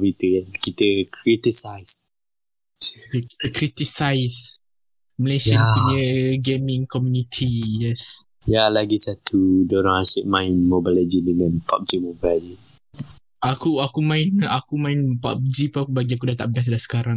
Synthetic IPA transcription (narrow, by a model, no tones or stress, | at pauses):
vit̪əankit̪əkʰɹit̪isajs | ki̥t̪əkɾit̪isajs | məlesapuɲəɡemĩŋkɔmjunit̪ʰijɛs | jalaɡisat̪ʰudɔɾaŋhasuʔ̚mãɪnmobalad͡ʒidəŋãnpa̰p̚d͡ʒimobali | akuakumãɪnakumãɪnpa̰p̚d͡ʒipakubaɡiak̬udat̪a̰ʔbɛs̬dasə̥kaɾaŋ